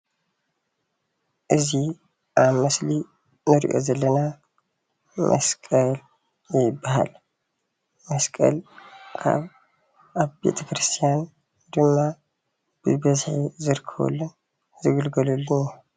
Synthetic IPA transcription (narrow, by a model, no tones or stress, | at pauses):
ʔɨzi | ʔaβmɐsli | nɨɾḭʔo̞̰zɐlːɐna | mʔɐ̰skʼɐl | jɪbːaha̰l | mɐskʼɐ̰lkʰa̰β | ʔaβbe̞̰t̪ʰɐkɾɨst̪ʰijan | d̪ɨmːa | b̥ɨbɐzħizɨɾkʰːɐβṵlːun | zɨɡɨlɡɐlulːunu